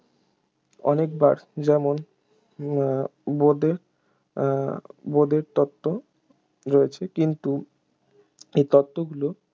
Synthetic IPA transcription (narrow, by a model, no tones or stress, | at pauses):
ɔ̰nekba̰ɾd͡ʑɛmon | bod̪eɾ | bod̪eɾt̪ɔt̪ːo | ɾoet͡ɕʰekint̪u | ejt̪ɔt̪ːoɡulo